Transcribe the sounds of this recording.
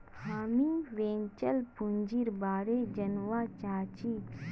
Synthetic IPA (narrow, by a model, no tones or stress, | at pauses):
ɦaːmiʋẽːɲt͡ʃəlpuɲd͡ʒiɾbaːɾeːd͡ʒɐnʋaːt͡ʃaːt͡ʃi